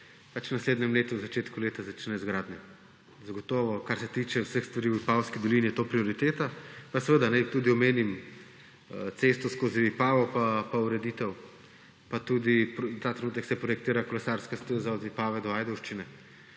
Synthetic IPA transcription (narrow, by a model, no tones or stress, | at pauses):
pat͡ʃwnasleːd̪nʲɛmleːt̪uwzat͡ʃeːt̪kuleːt̪azat͡ʃnɛzɡɾaːd̪nʲɛ | zaɡɔt̪ɔːʋɔkaɾsɛt̪iːt͡ʃɛwsəxst̪ʋaɾiwipawskid̪ɔlinijɛt̪oːpɾioɾit̪eːt̪apasɛʋəd̪anɛt̪ud̪iɔmeːnim | t̪sest̪ɔskoːziːpaːʋɔpapauɾɛd̪it̪ɛw | pat̪ud̪ipt̪aːt̪ɾɛnuːt̪ɛksɛpɾɔjɛk̚t̪iːɾakɔlɛsaɾskast̪əzaɔd̪ipaːʋɛd̪ɔajd̪ɔwʃt͡ʃinɛ